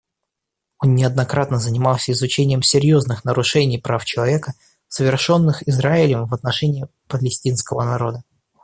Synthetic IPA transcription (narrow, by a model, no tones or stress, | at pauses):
o̞nːʲɪɐd̪nɐkɾat̪nəzənʲɪmalˠsʲəɪzʊt͡ɕenʲɪjəmsʲɪɾʲjo̞znɨxnəɾʊʂɛnʲɪjpɾaft͡ɕɪlˠɐvʲe̞kə | səvʲɪrʂo̞nːɨxɪzɾaɪlʲəmvət̪nɐʂɛnʲɪɪ | pəlʲɪsʲtʲinskəvənɐɾo̞d̪ə